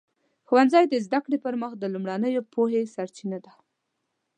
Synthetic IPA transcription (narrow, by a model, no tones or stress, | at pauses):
xuwanzɑjd̪əzd̪akɽepəɾməxd̪əlumɽanəjopoɦesaɾt͡ʃinad̪a